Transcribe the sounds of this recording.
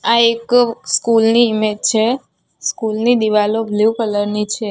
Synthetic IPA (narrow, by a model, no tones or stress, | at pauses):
aekskulniːmed͡ʒt͡ʃʰe | skulnid̪iʋalobʱliukələɾnit͡ʃʰe